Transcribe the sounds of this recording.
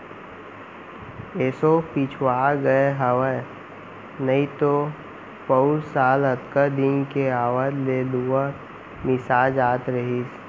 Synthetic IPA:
eːsopit͡ʃʰwaːɡəeɦəwə | nɐĩt̪o | pəʊlsaːlət̪kəd̪ɪnkeaːwəd̪leːluwa | mɪsaːd͡ʒaːt̪ɾəɦiːs

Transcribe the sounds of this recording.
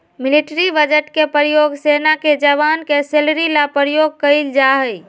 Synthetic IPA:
miliʈɾibəd͡ʒəʈkepəɾjoɡsenaked͡ʒəʋankeselɾilapəɾjoɡ̚kəɪld͡ʒaɦəj

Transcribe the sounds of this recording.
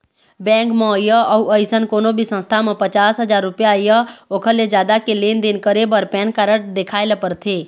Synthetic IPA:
bɛ̃ːŋkməjəəuəɪsənkoːnobʱisə̃nst̪ʰamẽpət͡ʃaːsɦəd͡ʒaːɾːʊpjaijəoːkʰəled͡ʒjaːd̪akeleːnd̪ɪnkəɾebəɾpɛːnkaɾəʈ̚d̪ekʰaːɪləpəɾt̪ʰeː

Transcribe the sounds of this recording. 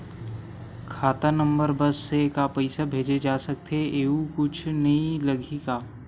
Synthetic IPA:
kʰaːt̪anɐ̃mbəɾbɐsːekapɐɪsabʱeːd͡ʒed͡ʒaːsɐk̚t̪ʰeeːukʊt͡ʃʰnɐĩlɐɡʱikaː

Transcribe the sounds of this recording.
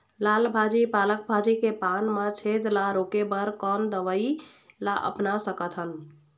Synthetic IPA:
lalbʱad͡ʒipalək̚bʱad͡ʒikepanmat͡ʃʰed̪laɾokebəɾkɔnd̪əʋəi | laʔə̰pnasəkət̪ʰɦən

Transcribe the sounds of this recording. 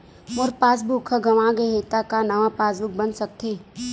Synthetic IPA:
mʊɾpaːs̬bukʰəɡɐʋãːɡeɦeːt̪akanɐʋapaːsbʊk̚bɐnsɐk̚t̪eː

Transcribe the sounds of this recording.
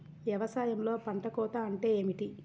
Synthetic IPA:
ʋjɐʋɐsaːjɐmlo̞ːpɐɳʈɐkɔːt̪aɐɳʈe̞eːmiʈi

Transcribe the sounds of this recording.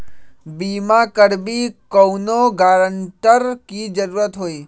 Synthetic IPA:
biːmakəɾbikəwnoɡaːɾəɳʈəɾkid͡ʒəɾuːɾət̪ɦoːi

